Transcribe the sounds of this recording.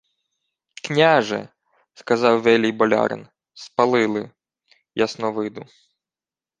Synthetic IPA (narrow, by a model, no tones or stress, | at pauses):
knʲaʒɛ̰ | skɐzɑwʋɛlʲijbɔlʲɑ̰ɾɪ̰n | spɐlˠɪlˠɪ | jasnɔʋɪd̪ʊ